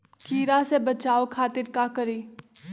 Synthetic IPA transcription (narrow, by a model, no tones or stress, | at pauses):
kiːɾasebɐt͡ʃaːokʰaːt̪ɪɾkakəɾiː